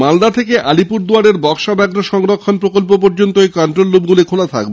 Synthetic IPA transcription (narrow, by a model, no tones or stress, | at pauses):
mald̪at̪ʰekeʔalipuɾd̪uaɾeɾbɔkʃad̪aɡɾoʃɔŋɾokʰːonpɾokolp̬op̬oɾd͡ʑont̪oejkanʈɾolːub̚ɡulikʰolat̪ʰa̰k̚be